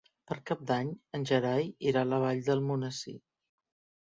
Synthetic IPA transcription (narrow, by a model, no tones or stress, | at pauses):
pəɾkap̚d̪aɲənʲʒəɾajiɾaləβ̞aʎd̪əlˠmunəsḭ